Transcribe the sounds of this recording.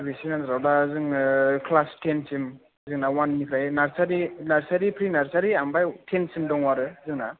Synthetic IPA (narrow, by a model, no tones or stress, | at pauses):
bisinanɾawdazɯŋkʰlastensim | zɯŋnawanːikʰɾajnaɾsaɾinaɾsaɾipʰɾinaɾsaɾiaŋbajtʰensimdɔŋwaɾɯzɯŋna